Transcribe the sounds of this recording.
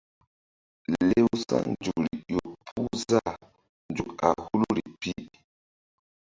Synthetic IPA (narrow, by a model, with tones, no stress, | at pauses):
le˦wsa̰˦nd͡ʒu˨k̚ɾi˨jo˨pʰu˦za˦˨ | nd͡ʒu˨ka̰˨hu˦lu˦ɾi˨pi˦